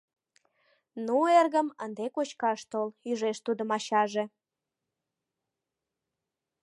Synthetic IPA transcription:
nuerɣəmənd̪ekot͡ɕkɑʃt̪olyʒeʃt̪ud̪ə̆mɑɕɑʒe

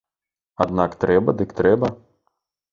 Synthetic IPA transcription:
ad̪nakt̪ɾɛbɐd̪ɨkt̪ɾɛbɐ

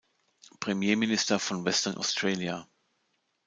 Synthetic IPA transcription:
pʁ̥ɛmjeːmɪnɪstɐfɔnvɛstɐnʔa̰ʊstʁ̥ɛːlja

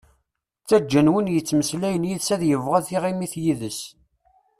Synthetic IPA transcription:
t͡sːæd͡ʒːənwənjət͡sːməslæjənjiðsæðjəvʁæðiʁimiθjiðəs

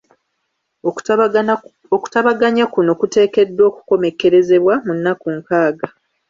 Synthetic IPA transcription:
oku̥taβaɡaɲakunokute̞ːke̞dːo̞ːku̥ko̞me̞ke̞ɾe̞ze̞βwamunːakuŋkaːɡa

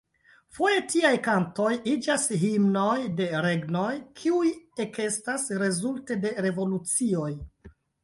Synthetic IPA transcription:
fo̞je̞tiajkanto̞jid͡ʒashimno̞jde̞ɾe̞ɡno̞jkʰiuje̞ke̞stasɾe̞zulte̞de̞ɾe̞vo̞lut͡sio̞j

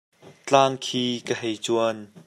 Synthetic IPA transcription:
t͡ɬaːŋkʰiːkəɦejt͡suən

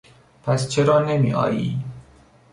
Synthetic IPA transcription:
pʰæst͡ʃʰeɾɒːnemḭːʔɒ̰ːjiː

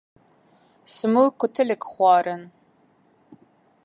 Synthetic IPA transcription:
sɨmukʷʊtʰɨlɨkχʷɑːɾɐn

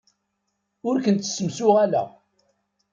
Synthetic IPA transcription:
ʊɾkənt̪sːəmsʊʁælæ̰

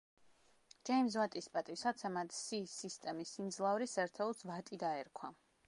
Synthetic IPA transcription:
d͡ʒɛims̬vat̪ʼispʼat̪ʼisat̪sʰɛmat̪ʰsisist̪ʼɛmisind̪zlˠavɾisɛɾt̪ʰɛulˠsvat̪ʼid̪aɛɾkʰwa

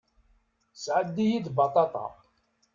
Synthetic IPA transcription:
sʕəd̪ːijid̪bɑt̪ˤɑt̪ˤɑ̰

